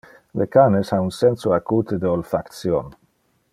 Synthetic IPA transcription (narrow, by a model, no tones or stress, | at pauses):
lekanesaunsɛnsoakut̪ed̪eolfakt̪sjon